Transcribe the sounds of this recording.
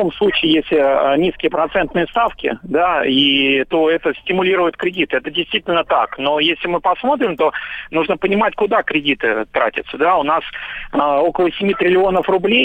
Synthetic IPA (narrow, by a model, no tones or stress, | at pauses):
o̞mslˠut͡ɕɪːjesʲlʲɪənʲiskʲɪjəpɾɐt̪sɛnt̪̚nɨjəst̪afkʲɪ̰d̪ait̪o̞ɛt̪əsʲtʲɪmʊlʲiɾʊjɪt̪̚kɾʲɪdʲit̪ɨɛt̪ədʲɪjst̪vʲitʲɪlʲnət̪a̰kno̞jesʲlʲɪmɨpɐsmo̞t̪̬ɾʲɪmt̪o̞nuʐnəpənʲɪmatʲkʊd̪akɾʲɪdʲit̪ɨ̰t̪ɾa̰tʲɪ̰t̪səd̪aʊnasəo̞kəlˠəsʲɪmʲit̪ɾʲɪlʲɪo̞nəfrʊblʲej